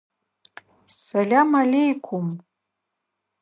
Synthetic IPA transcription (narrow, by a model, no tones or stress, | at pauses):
salʲamalʲejkʷʰum